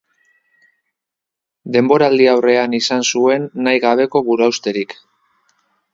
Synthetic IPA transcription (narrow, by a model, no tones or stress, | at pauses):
d̪e̞mbo̞ɾald̪iawre̞anisansue̞nːajɣaβe̞ko̞βuɾuawst̪e̞ɾik